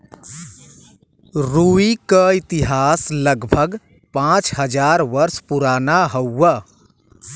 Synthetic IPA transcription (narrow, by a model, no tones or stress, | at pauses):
ɾuikəit̪iɦasləɡbʱəɡ | pãt͡ʃɦəd͡ʒaɾʋəɾspuɾanaɦəə